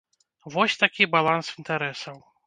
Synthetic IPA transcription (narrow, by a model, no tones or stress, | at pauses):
vɔsʲt̪akʲibalˠansint̪aɾɛsɐw